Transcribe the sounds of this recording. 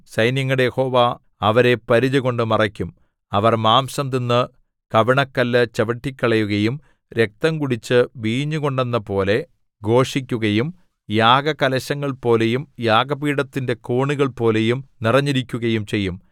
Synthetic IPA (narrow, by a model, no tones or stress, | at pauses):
sɐjnjɐŋːɐɽejeho̞ːʋa | ɐʋɐɾe̞pɐɾid͡ʑuɣo̞ɳɖɨmɐrɐkʲːum | ɐʋɐrmaːmsɐmt̪inːɨ | kɐʋiɳɐkːɐlːɨt͡ɕɐʋɐʈːikʲːɐɭɐjuɣɐjum | ɾe̞k̚t̪ɐmkuɽit͡ɕːɨʋiːɲːuɣo̞ɳɖenːɐpo̞ːle̞ | ɡo̞ːʂikʲːuɣɐjum | jaːɡɐkɐlɐɕɐŋːɐɭpo̞ːle̞jumjaːɡɐpiːɽɐt̪ːinde̞koːɳiɣɐɭpo̞ːle̞jumnirɐɲːiɾikʲːuɣɐjumt͡ɕe̞jːum